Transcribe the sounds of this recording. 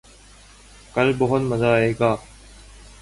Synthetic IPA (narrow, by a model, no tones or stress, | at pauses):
kəlboɦonməzaːɦeːɡaː